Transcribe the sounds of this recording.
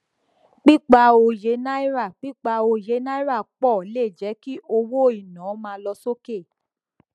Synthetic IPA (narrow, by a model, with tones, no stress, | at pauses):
k͡pi˦k͡pa˧o˧je˨˧˦na˦i˦ɾa˦˨k͡pi˦k͡pa˧o˧je˨˦na˦i˦ɾa˦˨k͡pɔ˦˨le˦˨d͡ʒɛ˨˦ki˦ʔo˧wo˦˨i˨nã˨˦mã˧lɔ˧so˦ke˦˨